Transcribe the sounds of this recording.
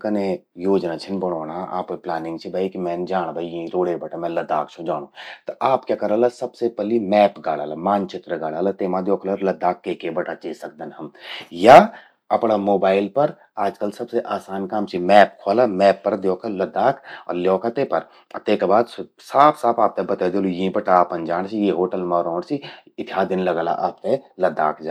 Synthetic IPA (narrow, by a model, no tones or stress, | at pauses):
kɐne | joːd͡ʒnaːt͡ʃʰɪnbɐɽoːɽ̃aa̰ːpeplaːnɪ̃ŋɡ̚t͡ʃʰibʱaikimɛ̃ːnd͡ʒaːɽ̃bʱəiɾoːɽebɐʈamɛ̃ːlɐd̪aːk̚t͡ʃʰod͡ʒaːɽ̃oːt̪oʔaːpkjaːkɐɾəlasɐbsepɛlimɛːpɡaːɽaːlamaːnt͡ʃɪt̪ɾəɡaːɽaːlat̪eːmãd̪joːkʰləɾlɐd̪ːaːkːeːkebəʈat͡ʃesɐk̚d̪ənɐmja | ɐpɽamoːbaːɪlpɐɾ | aːd͡ʒkɐlsɐbseʔaːsaːnkaːmt͡ʃʰimɛːp̚kʰoaːlamɛːpːɐɾd̪jɔːkʰalɐd̪ːaːkɔːɾljɔːkʰat̪epɐɾ | t̪eːkbaːd̪ | saːpʰsaːpʰaːp̚t̪ebɐt̪aːd̪eːlojĩbəʈaːpɐ̃nd͡ʒaːɽ̃t͡ʃʰijeɦoːʈəlmaɾɔ̃ːɽsiɪt̪ʰjaːd̪ɪnlɐɡaːla̰ʔaːp̚t̪elɐd̪a̰ːkd͡ʒaː